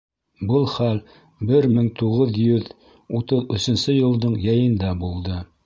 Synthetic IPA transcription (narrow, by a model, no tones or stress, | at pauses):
bɤlˠχæl | bɘɾmɘŋt̪uʁɤðjɵð | ut̪ɤðɵ̆sɘ̆nsɘjɤ̆lˠd̪ɤɴjæjɤ̆nd̪ɑbulˠd̪ɤ